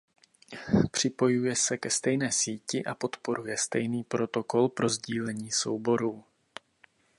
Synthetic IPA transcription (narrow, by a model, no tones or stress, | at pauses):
pr̝̥ɪpo̞jujɛsɛkɛst̪ɛjnɛːsiːcɪʔapo̞t̪po̞ɾujɛst̪ɛjniːpɾo̞t̪o̞ko̞lpɾo̞zɟiːlɛɲiːso̞̰wbo̞ɾuː